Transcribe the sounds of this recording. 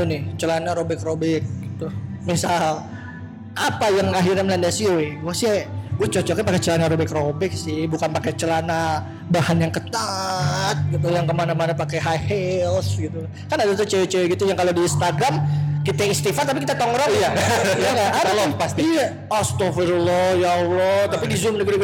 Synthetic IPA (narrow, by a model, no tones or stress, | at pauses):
t̪unɪht͡ʃəlanaɾobɛkrobɛk̚ɡit̪umisal | ʔapajaŋaɦirɲaməlandasiowɛɡuasiɡuat͡ʃɔt͡ʃɔkapaket͡ʃəlanaɾobɛkrobɛk̚sɪhbukanpakɛt͡ʃəlana | bahanjaŋkət̪at̪̚kit̪ajaŋkəmanamanapakaɦajhɛlsɡit̪u | kanadasət͡ʃəwt͡ʃəɡit̪ujaŋkalodiinst̪aɡɾamkit̪aist̪ifart̪ap̬ikit̪at̪ɔŋɾɔjajaŋɡaːdalɔpast̪i | ast̪ɔfiɾulɔjaulɔt̪apidizʊmdiɡid̪u